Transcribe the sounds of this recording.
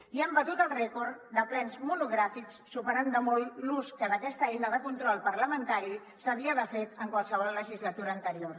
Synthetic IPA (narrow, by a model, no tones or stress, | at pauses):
iəmbət̪ut̪əlˠrɛkoɾd̪əplɛnzmunuɣɾafiksːupəɾand̪əmolluskənəkɛst̪əinəðəkunt̪ɾɔlˠpəɾləmənt̪aɾi | səβiəðəfet̪əŋkwalˠsəβ̞ɔlˠːəʒizlət̪uɾaːnt̪əɾior